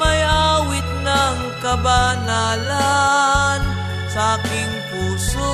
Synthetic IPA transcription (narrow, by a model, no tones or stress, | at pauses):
mɐjaːwɪt̪̚nɐŋ | kɐbanaːla | n | sɐʔakɪŋpuːso